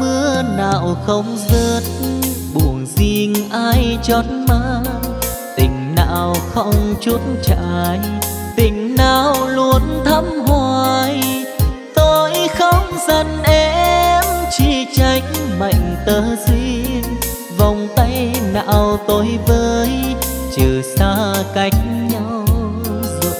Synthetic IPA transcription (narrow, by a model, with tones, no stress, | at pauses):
mɨ˧əna̰ː˧˨wxə˧wŋ͡mzə˧˩t̚ | ɓu˨˩əŋzi˧əŋʔaː˧jt͡ɕɔ˧˦nmaː˧˦ | t̪ï˨˩ŋ̟na̰ː˧˨wxə˧wŋ͡mt͡ɕu˧˦ətnt͡ɕa̰ː˧˨j | t̪ï˨˩ŋ̟naː˧˨wlu˧ənt̪ʰə˧˦˥mhwaː˧j | t̪o˧jxə˧wŋ͡mzə˧˩nʔɛ˨˧mt͡ɕi˧˩t͡ɕa˧˩jŋ̟ma̰˧˨jŋ̟t̪əː˨˦zi˧n | va˨˩wŋ͡mt̪ə˧jna̰ː˧˨wt̪o˨˦jvəː˧˦˧j | t͡ɕɨ˨˩saː˧ka˨˦jŋ̟ɲa˧wwwzo̰˧˨